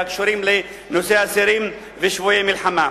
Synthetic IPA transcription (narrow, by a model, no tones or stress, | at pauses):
akʃoɾimle | noseasiɾim | veʃvuemilħama